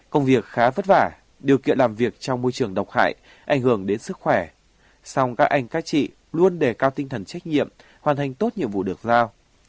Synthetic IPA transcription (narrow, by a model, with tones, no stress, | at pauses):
kə˧wŋ͡mvi˨˩ək̚xaː˨˦və˦˥t̚vaː˧˩ | ɗi˨˩əwkḭ˧˨ənlaː˨˩mvi˨˩ək̚t͡ɕɔ˧wŋ͡mmo˧jt͡ɕɨ˨˩əŋɗə˨˩wk͡p̚ha̰ː˧˨j | ʔa˨˧˩jŋ̟hɨ˧˩əŋɗe˨˦nsɨ˦˥k̚xwɛ˧˩ | sɔ˧wŋ͡mkaː˦˥k̚ʔa˧jŋ̟kaː˨˦t͡ɕḭ˧˨ | lu˧ənɗe˧˩kaː˧wt̪ï˧ŋ̟t̪ʰə˨˩nt͡ɕa˦˥jk̟̚ɲḭ˧˨əm | hwaː˨˩nt̪ʰa˨˩jŋ̟t̪o˦˥t̚ɲḭ˧əmvṵ˧˨ɗɨ˨˩ək̚zaː˧w